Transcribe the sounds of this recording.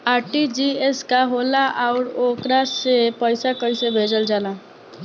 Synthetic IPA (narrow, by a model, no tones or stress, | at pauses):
aːɾʈid͡ʒieskaɦolaʔaʊɾokɾasepəɪsakəisebʱed͡ʒəld͡ʒaːla